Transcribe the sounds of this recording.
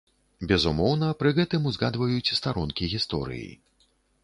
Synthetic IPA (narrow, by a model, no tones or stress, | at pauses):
bʲɛzumɔwnɐpɾɨɣɛt̪ɨmuzɣad̪vɐjut͡sʲst̪aɾɔnkʲiɣʲist̪ɔ̰ɾɨ̰jḭ